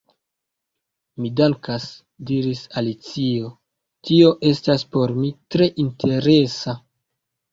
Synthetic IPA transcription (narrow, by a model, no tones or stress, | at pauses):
midaŋkas | diɾisalit͡sio̞ | tio̞ʔe̞staspo̞ɾmitɾe̞ʔintʰe̞ɾe̞sa